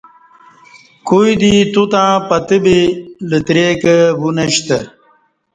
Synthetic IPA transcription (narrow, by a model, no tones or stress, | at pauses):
kujd̪it̪ut̪ãːpɐt̪əbilət̪ɾeːkəbunɐɕt̪ə